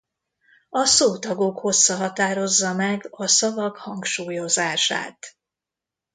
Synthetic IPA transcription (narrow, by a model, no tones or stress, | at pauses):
ɒsoːt̪ɒɡo̞kho̞sːɒɦɒt̪aːɾo̞zːɒmɛɡɒsɒvɒkhɒŋkʃuːjo̞zaːʃa̰ːt̪